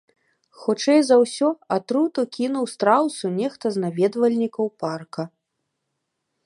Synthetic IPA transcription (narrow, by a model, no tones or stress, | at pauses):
xɔt͡ʂɛjzɐwsʲɔat̪ɾut̪ukʲinuwst̪ɾawt̪sunʲɛxt̪ɐznavʲɛd̪vɐlʲnʲikɐwparkɐ